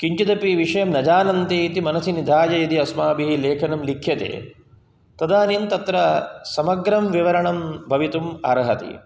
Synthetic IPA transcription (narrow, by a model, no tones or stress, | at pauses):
kiɲt͡ʃid̪ɐpiʋiʂɐjɐmnɐd͡ʒaːnɐnt̪eːit̪imɐnɐsinid̪ʱaːd͡ʒɐjɐd̪iɐsmaːbiɦileːkʰɐnɐmlikʰːjɐt̪ḛː | t̪ɐd̪aːnint̪ɐt̪ɾɐsɐmɐɡɾɐmʋiʋɐɾɐɳɐmbʱɐʋit̪umɐɾɐɦɐt̪ḭ